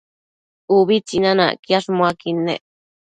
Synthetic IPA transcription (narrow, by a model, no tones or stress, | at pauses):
uβit͡sinãnã̰kjaʂmwakinḛ̃ʔ